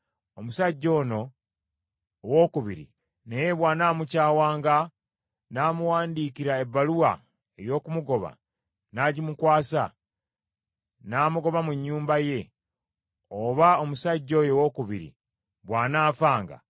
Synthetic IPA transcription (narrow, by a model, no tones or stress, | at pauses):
omusaɟːo̞ːno̞ | woːkuβiɾḭ | neje̞βwaːnaːmucaːwaːŋɡa | naːmuwaːndiːkiɾae̞bːaluwa̰ | e̞jo̞ːkumuɡo̞βa̰ | naɟimukwaːsa | naːmuɡo̞βamuɲːuːmbaje̞ | oβaomusaɟːo̞ːjo̞wokuβḭɾḭ | βwaːnaːfaːŋɡa̰